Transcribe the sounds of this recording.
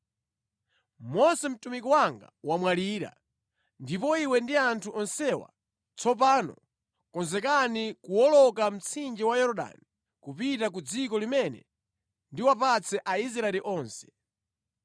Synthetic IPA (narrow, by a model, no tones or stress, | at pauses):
mɔsɛm̩tumikɔwaŋɡa̰wamwaliɾa̰ | ndipɔiwɛndiantʰuʔɔnsɛwa̰ | t͡sɔp̬aːnɔ̰ | kɔnzɛkanikuwɔlɔkam̩t͡sʰind͡ʒiwajɔɾɔɗa̰ni | kupitak̬ud͡zikɔlimɛnɛ̰ | ndiwapat͡sʰɛʔaiz̬ɾaɛliʔɔːnsɛ̥